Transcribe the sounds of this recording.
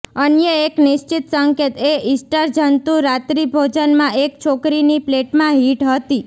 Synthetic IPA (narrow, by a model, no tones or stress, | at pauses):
ənjəeknɪʃt͡ʃɪt̪səŋket̪eɪsʈəɾd͡ʒənt̪ũɾat̪ɾibʱod͡ʒənmãʔek̚t͡ʃʰokɾinipleʈmãɦiʈɦət̪i